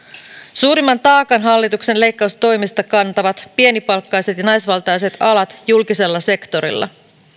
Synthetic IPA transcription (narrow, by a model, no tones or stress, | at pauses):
suːɾimːɑnt̪ɑːkɑnɦɑlːit̪ukse̞nle̞jkːɑust̪o̞jmist̪ɑkɑnt̪ɑʋɑt̪pie̞nipɑlkːɑjse̞t̪jɑnɑjsʋɑlt̪ɑjse̞t̪ɑlɑt̪julkise̞lːɑse̞kt̪o̞ɾḭlːɑ̰